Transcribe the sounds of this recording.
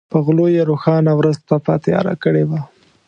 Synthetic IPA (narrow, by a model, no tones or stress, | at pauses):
pəɣlojeɾoxɑnawɾəzp̪apɑt̪jɑ̰ɾa̰kəɽewa